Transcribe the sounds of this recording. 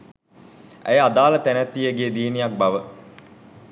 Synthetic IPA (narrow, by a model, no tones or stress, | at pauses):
æ̰jad̪aːlət̪ænæt̪ːijəɡeːd̪iːnijak̚baʋə